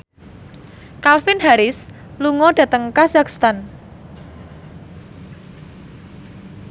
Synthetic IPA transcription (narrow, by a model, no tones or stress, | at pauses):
kalfɪnɦaɾɪs | luŋɔɖ̥ä̤t̪əŋkazakst̪an